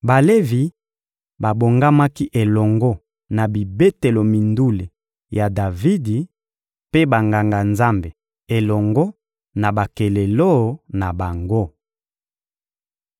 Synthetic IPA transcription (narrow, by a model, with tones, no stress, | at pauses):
ba˨le˦vi˨ | ba˨bo˨ŋɡa˦ma˦ki˦ʔe˨lɔ˨ŋɡɔ˦ | na˨bi˨be˦te˨lo˨mi˨ndu˦le˨ | ja˨da˨vi˦di˨ | pe˦ba˨ŋɡa˨ŋɡa˨nza˦mbe˨ | e˨lɔ˨ŋɡɔ˦ | na˨ba˨ke˨le˨lo˦˨˦na˨ba˨ŋɡo˦